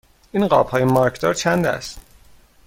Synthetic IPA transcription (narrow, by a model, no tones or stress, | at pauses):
ʔinɢɒ̰ːb̥hɒːjemɒːɾcʰd̪ɒ̰ːɾt͡ʃʰænd̪æ̰st̪